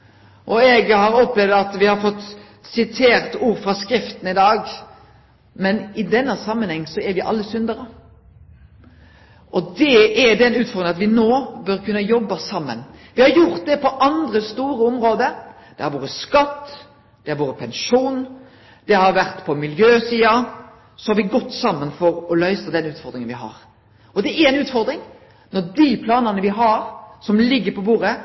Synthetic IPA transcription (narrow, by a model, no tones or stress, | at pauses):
ʔɔɛɡhɑɾɔplɛʋd̪ɑt̪ʋɪhɑɾfɔt̪ː | sɪt̪ʰeːɾt̪uːɾfɾɑskɾɪft̪n̩ɪd̪ɑːɡ | mɛnɪd̪ɛnːəsɑmːənhɛŋːsɔɛɾʋɪʔɑ̰lːəsʏnd̪əɾə | ʔɔd̪ɛɛɖ̪ɛnʉːt̪fɔɾd̪ɪŋɑt̪ʋɪnoːbœɾkʉnːəjɔbːəsɑmːə̰nʋɪhɑɾjʊɾt̪̚d̪ɛpɔʔɑnd̪ɾəst̪uːɾəɔmɾoːd̪əɾ | d̪̥ɛhɑɾʋoːɾəskɑt̪ː | d̪̥ɛhɑɾʋoːɾəpʰɛnʃuːn | d̪̥ɛhɑɾʋæɾt̪pʰɔmɪljøːsiːɑ | sɔhɑɾʋɪɡɔt̪ːsɑmːənfɔɾɔlœʏsəd̪ɛnʉːt̪fɔɾd̪ɾɪŋənʋɪɦɑ̰ɾ | ɔd̪ɛɛɾɛnʉːt̪fɔɾd̪ɾɪŋ | nɔɾd̪ipʰlɑːnɑnəʋɪɦɑɾsɔmlɪɡːəɾpɔbuːɾə